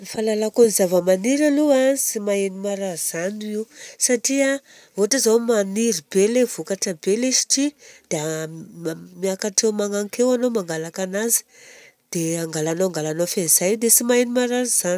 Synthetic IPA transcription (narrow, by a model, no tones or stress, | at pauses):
nfalalakunizavəmaniɾaluasimaenimaɾaz̥aniwsaʈ͡ʂia | voʈ͡ʂazawmaniɾibelevukaʈ͡ʂəbelesi̥ʈ͡ʂid̪̥ea | miakaʈ͡ʂewmaŋaŋkewanomaŋɡalakanazi̥ | d̪̥eaŋɡalanoaŋɡalanofenz̥ajd̪esimaenimaɾaz̥an